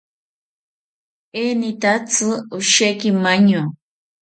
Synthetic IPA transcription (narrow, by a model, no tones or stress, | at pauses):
enit̪at͡sʰɨuʃekimaɲo